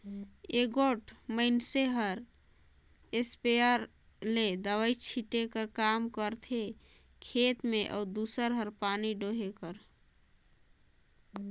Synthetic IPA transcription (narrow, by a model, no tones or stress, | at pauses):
eɡoʈməɪnseɦəɾ | espejəɾ | led̪əʋəjt͡ʃʰiʈekəɾkamkəɾt̪ʰe | kʰet̪meʔə̰ud̪usəɾɦəɾpaniɖoɦekəɾ